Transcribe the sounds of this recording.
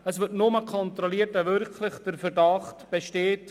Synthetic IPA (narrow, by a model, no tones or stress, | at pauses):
əsʋɪtnʊməkʰɔntɾɔliətɛvʏɾkʰlɪχd̥əɾfɛɾdɑχtb̥eʃteːt